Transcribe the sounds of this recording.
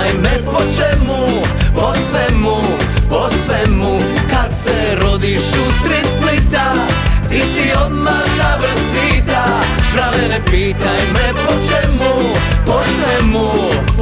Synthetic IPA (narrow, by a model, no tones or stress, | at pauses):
jmɛpot͡ʃɛmuposʋɛmu | posʋɛmu | kad̪sɛ | ɾod̪iʃusɾisplit̪at̪isiod̪ma | t̪avɾɛsiːt̪a | bɾanɛnɛpiːt̪ajmɛpot͡ʃɛmu | posʋɛmu